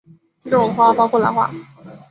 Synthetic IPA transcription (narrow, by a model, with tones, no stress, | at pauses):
ʈ͡ʂ̩˥˩ʈ͡ʂʊ˥˩˨xwa˥˩fa˥xɔ˥˩la̰˧˥xwa̰˥˩